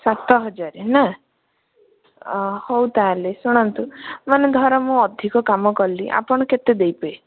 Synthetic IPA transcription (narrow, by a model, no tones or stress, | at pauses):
sat̪ɔɦɔd͡ʒaɾena | howt̪alesuɽ̃ɔnt̪umaned̪ʱaɾɔmũɔd̪ʱikɔkamɔkɔliʔa̰pɔɽ̃ɔket̪ed̪ejpɔe